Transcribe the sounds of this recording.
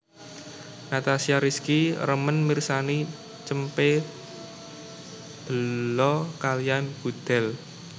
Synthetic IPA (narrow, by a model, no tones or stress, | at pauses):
nat̪asiaɾiskiɾəmənmirsani | t͡ʃəmpe | d̪̥ə̤lɔkalijanb̥ṳd̪̥ɛ̤l